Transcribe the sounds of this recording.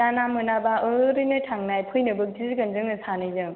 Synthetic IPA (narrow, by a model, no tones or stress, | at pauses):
anamɯnabaʔɯɾɯnɯjtʰaŋnajpʰɯjnɯbɯk̚dizɯɡɯnzɯŋnɯsanɯjzɯ